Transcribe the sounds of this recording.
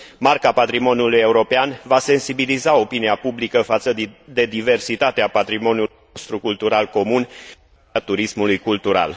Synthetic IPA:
markapat̪ɾimo̞njuluje̞uɾo̞peanvase̞nsibilizao̞piniapublikəfat̪səd̪e̞d̪ive̞rsit̪at̪eapat̪ɾimo̞nju | ost̪ɾukult̪uɾalko̞mun | at̪uɾismulujkult̪uɾa̰l

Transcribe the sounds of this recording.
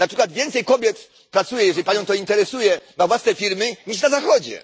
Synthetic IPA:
napʂɘkwad̪vʲjɛnt̪sɛjkɔbʲjɛt̪ | pɾat̪sujɛjɛʐɛlʲipaɲɔ̃w̃t̪ɔint̪ɛɾɛsujɛmavwasnɛfʲiɾmɘɲiʂnazaxɔd͡ʑɛ̰

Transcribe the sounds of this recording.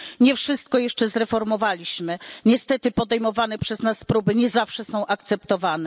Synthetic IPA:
ɲɛfʂɘst̪̚kɔjɛʂt͡ʂɛzɾɛfɔɾmɔvalʲiɕmɘɲɛst̪ɛt̪ɘpɔd̪ɛjmɔvanɛpʂɛznaspɾubɘɲɛzafʂɛsɔ̃w̃ʔakt̪sɛpt̪ɔvanɛ

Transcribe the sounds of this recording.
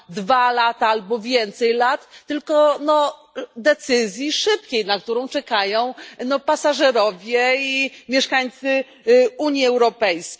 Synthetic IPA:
d̪valat̪aalbɔvʲjɛnt̪sɛjlat̪ːɘlkɔnɔ | d̪ɛt̪sɘzʲjiʂɘp̚kʲejnak̚t̪uɾɔ̃w̃t͡ʂɛkajɔ̃w̃nɔpasaʐɛɾɔvʲjɛimʲjɛʂkaɲt̪sɘ | uɲjiɛwɾɔpɛjskʲ

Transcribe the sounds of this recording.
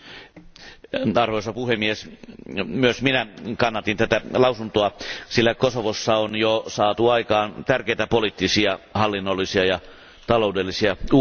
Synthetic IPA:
ɑrʋoisɑpuhemːies | myøsminækɑnːɑt̪int̪æt̪ælɑusunt̪oɑsilːækosoʋosːɑonjosɑːt̪uɑikɑːnt̪ærkeit̪æpolit̪ːisiɑhɑlːinːolːisiɑjɑ | t̪ɑloudelːisiɑu

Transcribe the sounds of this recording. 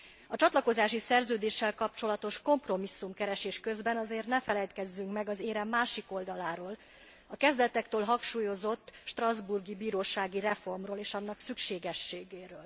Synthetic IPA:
ɒt͡ʃɒt̪lɒko̞zaːʃisɛrzøːd̪eːʃːɛlkɒp̚t͡ʃo̞lɒt̪o̞ʃko̞mpro̞misːumkɛɾɛʃeːʃkø̞zbɛnɒzeːrt̪nɛfɛlɛjt̪kɛzːyŋkmɛɡɒzeːɾɛmːaːʃiko̞ld̪ɒlaːɾoːl | ɒkɛzd̪ɛt̪ɛkt̪øːlɦɒŋkʃuːjo̞zo̞t̪ːʃt̪rɒzburɡibiːɾoːʃaːɡirɛfo̞rmroːleːʃɒnːɒksykʃeːɡɛʃːeːɡeːɾøːl

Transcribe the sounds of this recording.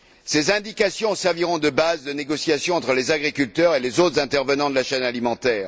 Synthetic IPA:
sezɛ̃d̪ikasjɔ̃sɛʁviʁɔ̃d̪əbazd̪əneɡɔsjasjɔ̃ɑ̃t̪χəlezaɡʁikʲylt̪œʁelezot̪χəzɛ̃t̪ɛʁvənɑ̃d̪əlaʃɛnalimɑ̃t̪ɛːʁ

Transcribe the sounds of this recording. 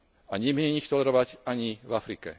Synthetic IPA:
aɲɪɛmɲɛɲixt̪ɔlɛɾɔʋaɟaɲivafɾikɛ̰

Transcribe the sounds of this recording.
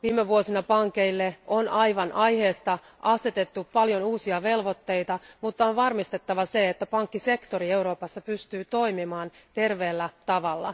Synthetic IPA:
ʋiːmeʋuosinɑpɑŋke̞ilːeonɑjʋɑnʔɑjhe̞ːst̪ɑ | ʔɑse̞t̪e̞t̪ːupɑljo̞nuːsiɑʋe̞lʋo̞t̪ːe̞jt̪ɑmut̪ːɑonʋɑrmist̪e̞t̪ːɑʋɑse̞et̪ːæpɑŋkːise̞kt̪o̞ɾie̞uɾo̞ːpɑsːɑpyst̪yːt̪o̞imimɑːn | t̪e̞rʋeːlːæt̪ɑʋɑlːɑ̰

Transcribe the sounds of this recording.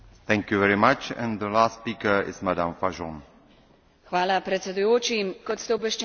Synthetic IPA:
θɛ̃ŋkjuvɛɹimat͡ʃɛ̰̃nd̪əlastpiːkə˞ɪ̰zmadãmfaʒɔ̃n | xʋaːlapɾɛt̪sʲɛd̪ujoːt͡ʃimkɔt̪st̪ɛɔbʋɛʃt͡ʃ

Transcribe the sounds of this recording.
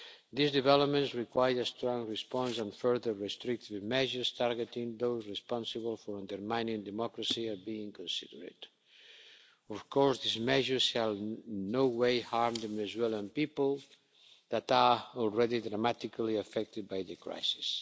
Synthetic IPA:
d̪izd̪ivɛlop̚mẽnsɹikwajəɾəst̪ɾɔ̃ŋɹispɔ̃nsɔ̃nfɜɹðə˞ɹɛst̪ɾik̚t̪ivmɛʒə˞st̪ʰaɾɡɛt̪ĩŋd̪owzɹispɔ̃nsəβəlˠfɔɾãnd̪əɾmãjnĩŋd̪ɛmɔkɾəsiabĩːŋkɔ̃nsḭdəɾɪ̰t̪ | ɔfkɔɹsd̪izmɛʒə˞sʃalˠnowwejhaɹmd̪əvɛnɛzwɛlãnpipəlˠ | ðat̪aɔlˠɹɛðid̪ɾamat̪ikʰaliafɛk̚t̪ɪd̪̚bajðəkɾa̰jsi̥s

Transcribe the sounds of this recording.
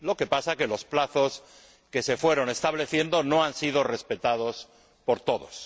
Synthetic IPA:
lo̞ke̞pasake̞lo̞splaθo̞s | ke̞se̞fwe̞ɾo̞ne̞st̪aβle̞θje̞nd̪o̞no̞ansið̞o̞re̞spe̞t̪að̞o̞s | po̞ɾt̪o̞ðo̞̰s

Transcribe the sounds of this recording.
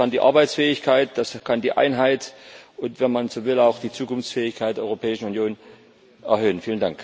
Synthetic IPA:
kandiːʔa̰ɐbaɪt͡sfɛːɪçkʰaɪt̚d̥askʰandiːʔa̰ɪnɦaɪtʔʊntv̥ɛnmanz̥oːvɪlaʊxd̥iːt͡suːkʊnft͡sfɛːɪçkʰaɪtd̥ɛɐʔɔʏʁopʰɛːɪʃn̩unjoːn | ʔɛ̰ɐɦøːənfiːləndaŋk

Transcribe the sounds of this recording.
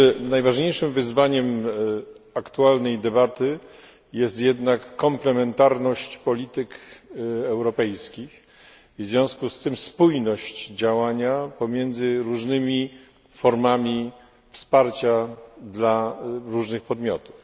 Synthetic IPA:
najvaʐɲejʂɘmvɘzvaɲɛm | akt̪ualnɛjd̪ɛbat̪ɘ | jɛst̪jɛd̪nakːɔmplɛmɛnt̪aɾnɔɕt͡ɕpɔlʲit̪ɘk | ɛwɾɔpɛjskʲix | vzvʲjɔ̃skust̪ɘmspujnɔɕt͡ɕd͡ʑawaɲapɔmʲjɛnd̪zɘɾuʐnɘmʲi | fɔɾmamʲi | fspaɾt͡ɕad̪laɾuʐnɘxpɔd̪mʲjɔ̰t̪u̥f

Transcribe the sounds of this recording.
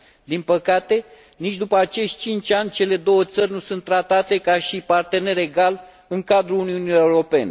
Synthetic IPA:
d̪inpəkat̪e̞ | nit͡ʃʲd̪upəat͡ʃe̞ʃt̪̚ʲt͡ʃint͡ʃʲanʲt͡ʃe̞le̞d̪o̞wət̪sərʲnusunt̪ːɾat̪at̪e̞kaʃipart̪e̞ne̞re̞ɡal | ɨŋkad̪ɾuluniunieuɾo̞pe̞ne

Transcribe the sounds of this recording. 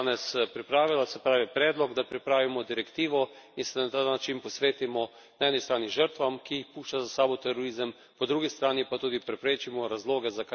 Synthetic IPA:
nɛspɾipɾaːʋilasɛpɾaːʋipɾɛːd̪lɔɡd̪apɾipɾaːʋimɔd̪iɾɛkt̪iːʋɔ | insɛnat̪aːnat͡ʃinpɔsʋeːt̪imɔ | naɛːnist̪ɾaːniʒəɾt̪ʋamkijixpuːʃt͡ʃazasaːbɔt̪ɛɾɔɾiːzəm | pɔd̪ɾuːɡist̪ɾaːnipat̪uːd̪ipɾɛpɾeːt͡ʃimɔɾazloːɡɛzaka

